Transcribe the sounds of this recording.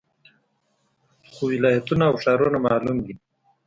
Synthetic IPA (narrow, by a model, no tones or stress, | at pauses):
xowɪlaːjat̪unaːwʂaːɾunamaːlumd̪i